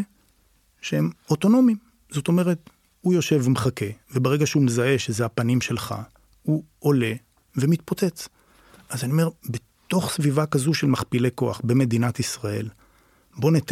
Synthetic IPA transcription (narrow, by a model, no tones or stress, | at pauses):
ʃehemoto̞no̞mim | z̥o̞to̞me̞ʁe̞t | hujo̞ʃe̞vmχake̞ve̞beʁeɡaʃeumezae̞ʃezeapanimʃe̞lχa̰ | u | ole̞ | ve̞mit̪̚po̞t͡se̞t͡s | ʔazaniome̞ʁbe̞ | t̪o̞χsvivakazuʃelmaχpileko̞a̰χbeme̞d̪inatisʁae̞l | bo̞net̪